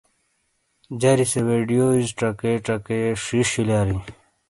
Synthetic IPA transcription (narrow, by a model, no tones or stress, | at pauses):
d͡ʑɐɾiseweɖijoizʈ͡ʂɐkeʈ͡ʂɐkeʂiɕilaːɾi